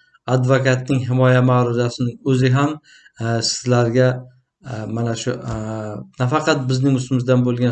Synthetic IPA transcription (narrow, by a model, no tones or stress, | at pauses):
ad̪vokat̪̚nɪŋɦɪmɒjamaɾʊzasɪnɪɵzɪɦam | sɪzlaɾɡʲa | manaʃʊ | nafɑqʰɑt̪̚bɪznɪŋʊst̪ɪmɪzd̪anbolˠɡʲan